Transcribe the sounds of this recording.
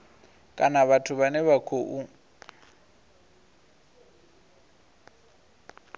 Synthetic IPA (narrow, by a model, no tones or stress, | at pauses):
kʼanaβatʰʊβanɛβakʰoʔu